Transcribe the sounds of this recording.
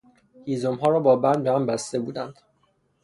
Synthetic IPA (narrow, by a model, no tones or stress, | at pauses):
hiːzomɦɒːɾɒːbɒːbænd̪behæmbæst̪e̞buːd̪ænd̪̥